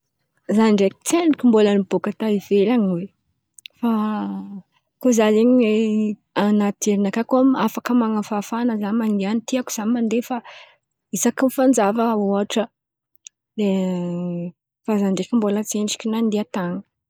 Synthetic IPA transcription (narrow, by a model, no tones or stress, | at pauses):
zanɳɖ͡ʐeki̥t͡seɳikʲimbolənibokat̪aivelaŋwe | fa | kozaleɲie | anat̪eɾinakakoamafakəmaŋafafanəzanmaneanit̪iaku̥z̥anmand̪efa | isakimfand͡zavəoaʈ͡ʂə | le | fazaɳɖ͡ʐekimbolət͡seɳɖ͡ʐi̥kʲinand̪eat̪aŋə̥